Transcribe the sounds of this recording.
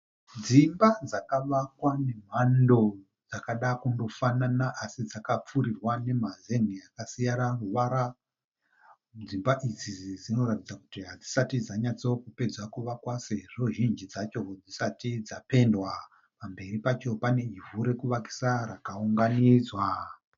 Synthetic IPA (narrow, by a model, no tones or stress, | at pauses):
d͡zimbad͡zakaʋakwane̞m̤ando̞ | d͡zakaɗakundo̞fananaʔasid͡zakap͡fuɾirwane̞mazeniakasijaɾaruʋaɾa | d͡zimbaʔid͡zid͡zino̞ratid͡zaku̥tiɦad͡zisatid͡zaɲat͡sokupe̞d͡zwakuʋakwaseʐoʒind͡ʒid͡zat͡ʃo̞od͡zisatid͡zape̞ndwa | pambe̞ripat͡ʃo̞pane̞ivuɾe̞kuʋaki̥saɾakauŋɡaniːd͡zwa